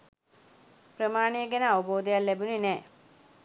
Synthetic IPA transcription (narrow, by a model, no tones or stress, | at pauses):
pɾəmaːɳejəɡɛnəaʋəboːd̪ɐjalːɛbuninɛː